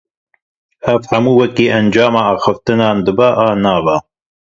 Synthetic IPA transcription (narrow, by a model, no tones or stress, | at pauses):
ʔævhamuːwɛkiːʔænd͡ʒɑːmaːʔɑːxɨft̪ɨnɑːnd̪ɨbaʔɑːnɑːva